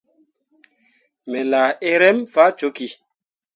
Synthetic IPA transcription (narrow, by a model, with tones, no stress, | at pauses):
mɛ˨laː˨e˦ɾɛ˦mfa˦t͡ʃo˨˦ki˨